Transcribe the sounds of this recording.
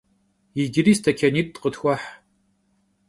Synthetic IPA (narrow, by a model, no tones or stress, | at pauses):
jɪɡʲɪɾiːstʰɐkʰʲɐniːt̚ʼtqətxʷɔħ